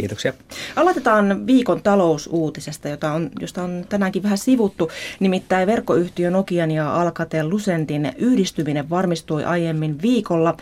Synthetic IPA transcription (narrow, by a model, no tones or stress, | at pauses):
ḭːt̪oksiɑ | ʔɑlɑt̪et̪ɑːnʋiːkont̪ɑlousuːt̪isest̪ɑjot̪ɑonjost̪ɑont̪ænæːŋkiʋæhæsiʋut̪ːunimit̪ːæiʋe̞rkːoyht̪iønokiɑnjɑʔɑlkɑt̪eːllusent̪inyhdist̪ymineʋʋɑrmist̪uiʔɑjemːinʋiːkolːɑ